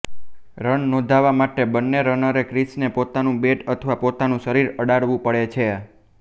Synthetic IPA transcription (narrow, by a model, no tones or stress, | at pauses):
ɾəɳnõd̪ʱaʋamaʈebənːeɾənəɾekɾisnepot̪anũbeʈət̪ʰʋapot̪anũʃəɾiɾəɽaɽʋũpəɭet͡ʃʰe